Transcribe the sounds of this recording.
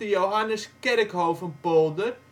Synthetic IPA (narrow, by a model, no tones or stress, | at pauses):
əjoɦanəskɛrəkhowfənpolˠdər